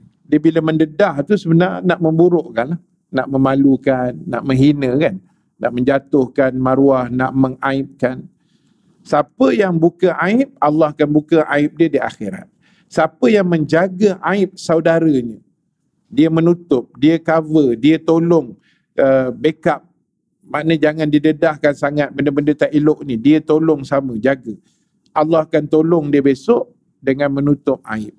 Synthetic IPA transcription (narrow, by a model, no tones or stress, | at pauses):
diəbiləməndədaht̪usəbənarnaʔmə̃mbuɾʊʔkanlah | na̰ʔməmalukanːa̰ʔmə̃ŋɦinə̃kanː | a̰ʔməɲd͡ʒat̪ʊhkanmaɾuahnaʔməŋaɪp̚kan | sapəjaŋbukaʔaɪp̚alːɑhakanbukaʔaɪp̚diədia̰xeɾa̰t̪̚ | səapəjaŋmə̃ɲd͡ʒaɡəʔaɪp̚saudaɾəɲə | diəmənut̪ʊp̚diəkavədiət̪olʊŋ | əbekap̚ | manəd͡ʒaŋãndidədahkansaŋat̪̚bəndəbəndət̪aʔilʊʔnidiət̪olʊŋsamə̃d͡ʒaɡə | ʔalːɑhakant̪olʊŋdiəbesɔʔ | dəŋãnmənut̪ʊp̚a̰ɪp̚